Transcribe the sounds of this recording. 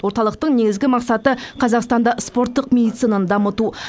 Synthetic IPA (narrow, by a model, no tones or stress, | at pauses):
wo̞ɾt̪ɑlˠəq̚t̪əɴne̞ɡʲɪzɡʲɪmɑqsɑt̪əqʰɑzɑqst̪ɑnd̪ɑspo̞ɾt̪ːəqmʲe̞d̪ijt̪sɨnand̪ɑmət̪u